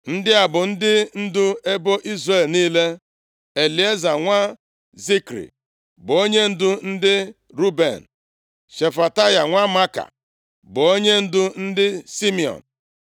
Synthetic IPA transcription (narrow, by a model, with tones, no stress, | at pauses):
n̩˦dɪ˦a˨bʊ˨n̩˦dɪ˦n̩˦dʊ˦e˦bo˦ʔi˦zre˦˨lniː˦le˦ | e˨li˨e˦za˨ŋʷa˦ | zi˦kɾḭ˨ | bʊ˨o˦ɲe˦n̩˦dʊ˦n̩˦dɪ˦ | ɾu˦bḛ˨n̩˨ | ʃe˨fa˨ta˦ja˨ŋʷa˦ma˦ka̰˨ | bʊ˨o˦ɲe˦n̩˦dʊ˦n̩˦dɪ˦si˦mi˨ɔ̰˨n̩˨